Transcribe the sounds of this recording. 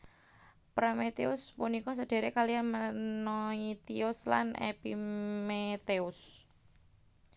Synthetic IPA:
pɾamet̪eʊspunikɔs̬əd̥e̤ɾekalianmənɔit̪iɔsla̰nḛpimet̪eʊs

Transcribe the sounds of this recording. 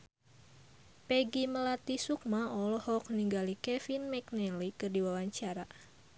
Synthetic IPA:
pɛɡiməlat̪isuk̚maɔlɔhɔk̚niŋɡalikɛfinmɛknɛlikɨrdiwawaɲt͡ʃaɾa

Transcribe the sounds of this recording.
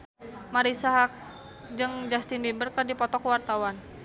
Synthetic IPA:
maɾisaɦak̚ | d͡ʒɨŋd͡ʒast̪indibərkərdipɔt̪ɔkwart̪awan

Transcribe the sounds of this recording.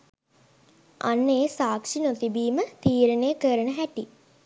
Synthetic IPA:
a̰nːeːsaːkʂinot̪ibiːmət̪iːɾənejəkəɾənəɦæʈi

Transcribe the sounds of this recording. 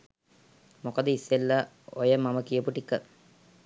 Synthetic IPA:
mokəd̪əisːelːa | ojəmaməkijəpuʈikə

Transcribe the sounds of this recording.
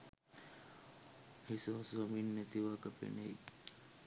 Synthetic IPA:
hisoɦsʋɐminːɛt̪iʋakəpḛnej

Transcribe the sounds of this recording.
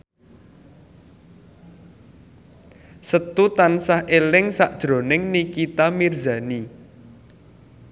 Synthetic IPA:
sət̪ut̪ansahʔelɪŋsaʔd̥ʒ̥ɾo̤nɪŋnikit̪amirza̤ni

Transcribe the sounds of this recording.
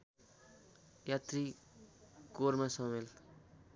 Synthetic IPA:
jat̪ri | koɾmasʌmel

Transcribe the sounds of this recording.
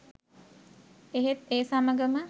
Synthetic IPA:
eɦet̪eːsaməɡəmə

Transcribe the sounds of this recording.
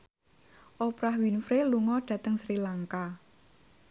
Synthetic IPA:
ʔopɾahwinfɾeluŋɔɖ̥ä̤t̪əŋsɾilaŋka

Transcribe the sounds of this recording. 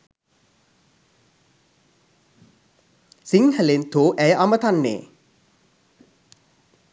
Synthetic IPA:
siŋhælent̪ʰoːʔæjəʔamət̪anːḛː

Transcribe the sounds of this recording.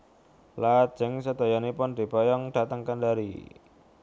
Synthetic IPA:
lḁd͡ʒəŋsəd̪ɔjɔnipʊnd̪̥i̤bɔjɔŋd̥a̤t̪əŋkandaɾḭ

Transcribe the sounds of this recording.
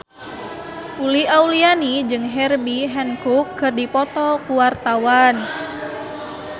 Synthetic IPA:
uliaulianid͡ʒɨŋɦɛrbiɦɛnkukʰːɨrdipɔt̪ɔkuwart̪awan

